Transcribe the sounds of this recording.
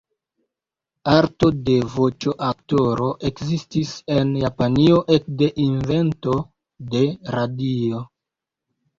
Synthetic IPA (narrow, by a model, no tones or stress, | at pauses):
aɾto̞de̞vo̞t͡ʃo̞ʔakto̞ɾo̞ʔe̞kzistise̞njapanio̞ʔe̞k̚de̞ʔinve̞nto̞ | de̞ɾadio̞